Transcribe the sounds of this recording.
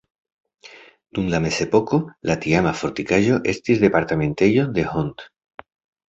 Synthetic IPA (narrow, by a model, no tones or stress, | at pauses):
d̪̥unlamese̞po̞ko̞lat̪iamafo̞ɾt̪ikaʒo̞ʔe̞st̪izðe̞paɾt̪amẽ̞nt̪ejo̞ðe̞hont̪